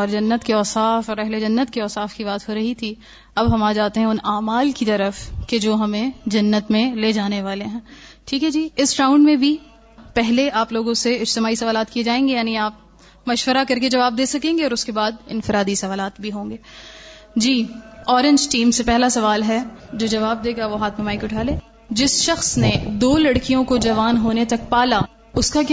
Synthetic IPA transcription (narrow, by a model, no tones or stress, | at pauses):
ɔːɾd͡ʒɐnːət̪keɔːsaːfɔːɾɛɦled͡ʒɐnːət̪̚kiɔːsaːfkibaːt̪ɦoɾɐɦit̪ʰi | ɐbɦɐmaːd͡ʒaːt̪eɦɛ̃ʊnaːmaːlkit̪ɐɾəfked͡ʒoːɦɐmẽd͡ʒɐnːət̪mẽleːd͡ʒaːneʋaːleɦɛ̃ːʈʰiːkɦɛd͡ʒiːɪsʈaːʊ̃ɳɖmẽbʱi | pɛɦleaːploːɡõseɪd͡ʒt̪ɪmaːisɐʋaːlaːt̪kied͡ʒaːẽːŋɡejaːniaːp̚ | mɐʃʋəɾakɐɾked͡ʒɐʋaːb̚d̪eːsɐkẽːŋɡeɔːɾʊskebaːd̪ɪ̰̃nfɪɾaːd̪isɐʋaːlaːt̪bʱiɦõːŋɡeː | d͡ʒiːɔːɾɪ̃ɲd͡ʒʈiːmsepɛɦlasɐʋaːlɦɛd͡ʒoːd͡ʒɐʋaːb̚d̪eːɡaʋoɦaːt̪ʰmemaːikiʊʈʰaːlẽː | d͡ʒɪsʃɐxsned̪oːlɐɽkijõkod͡ʒɐʋaːnɦoːnet̪ɐkpaːla | ʊskak